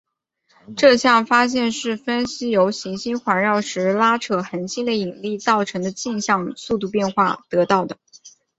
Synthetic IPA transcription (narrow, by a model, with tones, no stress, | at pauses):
ʈ͡ʂɤ˥˧ɕjɑ˥˩ŋfa˥ɕ̬jɛ˥˧nʂɻ̩˥˩fə˥nɕi˥jo˧˥ʊɕi˧˥ŋɕi˥nxwa˧˥nɻɑ˥˩ʊʂɻ̩˧˥la˥ʈ͡ʂʰɤ˥˩xə˧˥nɕi˥nd̪ə˧i˨˩nli˥˧t͡s̪ɑ˥˩ʊʈ͡ʂʰɤ˧˥ŋd̪ə˧t͡ɕi˥˧nɕjɑ˥˧ŋsu˥˧t̪u˥˧pjɛ˥˧nxwa˥˩t̪ɤ˧˥t̪ɑ˥˩ʊd̪ə˩